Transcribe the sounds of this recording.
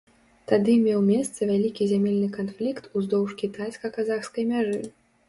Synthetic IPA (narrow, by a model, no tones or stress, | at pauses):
t̪ad̪ɨmʲɛwmʲɛst̪sɐvʲalʲikʲizʲamʲelʲnɨkanflʲikt̪ʰuzd̪ɔwʂkʲit̪ajskɐkazaxskɐjmʲaʐɨ